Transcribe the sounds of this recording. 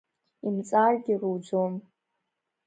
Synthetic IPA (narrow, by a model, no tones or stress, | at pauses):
imt͡sʼarɡʲɪrud͡ʒom